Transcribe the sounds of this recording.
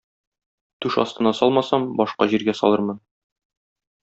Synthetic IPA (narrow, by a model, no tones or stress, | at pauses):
t̪ʉʃɒ̰st̪ɤ̆nɑsɒlˠmɑsɑmbɒʃqɑʑiɾɡæsɒ̰lˠɤɾmɤn